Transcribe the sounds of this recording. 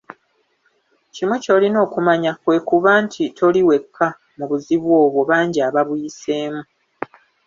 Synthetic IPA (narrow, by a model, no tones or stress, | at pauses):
cimo̞co̞lino̞ːkumaɲakwe̞ːkuβaːntʰitʰo̞liwe̞kʰːa | muβuziβwo̞ːβwo̞βaːɲɟiaːβaβujise̞ːmu